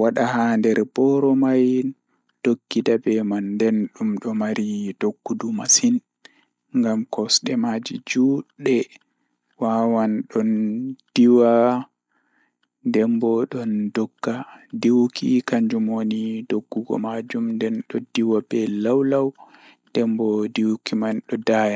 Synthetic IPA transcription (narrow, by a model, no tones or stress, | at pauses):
waɗahandɛɾbɔɾɔmaj | d̥oɡːidabɛmandɛnɗumɗɔmaɾid̥oɡːudumasin | ŋɡamkɔsɗɛmad͡ʒḭd͡ʒuɗɛ | wawanɗɔnd̥iwa | dɛmbɔɗɔndɔɡːadiwkʰḭkaɲd͡ʒumonidoɡːuɡɔ̰mad͡ʒumndɛnɗɔdiwabɛlawlaw | d̥ɛmbɔdiwkimanɗɔdaja